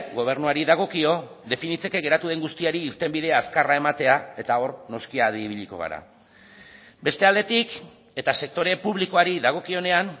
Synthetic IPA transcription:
ɡo̞β̞e̞ɾnuaɾiðaɣ̞o̞kio̞ | ðe̞finit͡se̞ke̞ɣe̞ɾat̪uð̞e̞ŋɡust̪iaɾiːɾt̪e̞mbið̞e̞aːskarae̞mat̪e̞ae̞t̪ao̞ɾno̞skiaðiβiʎikoɣ̞a̰ɾa̰ | be̞st̪e̞ald̪e̞t̪ik | e̞t̪ase̞k̚t̪o̞ɾe̞puβliko̞aɾiðaɣ̞o̞kio̞ne̞an

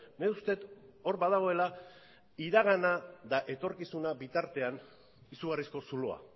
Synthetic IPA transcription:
neust̪e̞t̪o̞ɾbaðaɣ̞o̞e̞la | iɾaɣ̞anad̪aʔe̞t̪o̞ɾkisunabit̪aɾt̪e̞an | isuɣarisko̞suloa̰

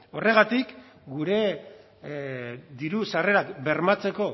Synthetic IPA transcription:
o̞re̞ɣat̪ik | ɡuɾe̞ | d̪iɾusare̞ɾakbe̞ɾmat͡se̞ko̞

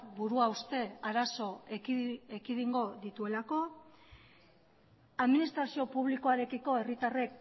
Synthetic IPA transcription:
buɾuaust̪e̞aɾaso̞ | ekiðiŋɡo̞ðit̪ue̞lako̞ | aðminist̪ɾasio̞puβliko̞aɾe̞kiko̞e̞rit̪are̞k

